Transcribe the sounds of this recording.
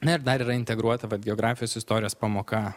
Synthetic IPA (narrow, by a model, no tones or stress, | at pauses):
nɐɪɾd̪ɐɾiːɾɐɪnʲt̪ʲɛɡɾuɔt̪ɐʋɐt̪̚ɡʲɛoɡɾɑːfʲɪjoːsɪst̪oːɾʲɪjoːspɐmoːkɐ